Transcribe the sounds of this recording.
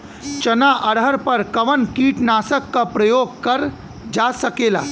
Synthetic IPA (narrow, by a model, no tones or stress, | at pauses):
t͡ʃɐnaʔəɽ̤əɾpəɾkɐʋənkiːʈnaːsəkːapɾəjoːɡ̚kɐɾ | d͡ʒasəkela̰ː